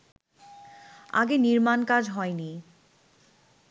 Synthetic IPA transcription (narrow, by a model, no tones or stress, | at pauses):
a̰ɡeniɾmankad͡ʑɦɔeni